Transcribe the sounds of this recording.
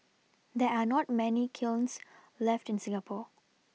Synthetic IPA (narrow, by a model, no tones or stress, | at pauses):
d̪ɛanɔt̚mɛnikʰɪlns | lɛftɪ̃nsɪ̃ŋəpʰɔ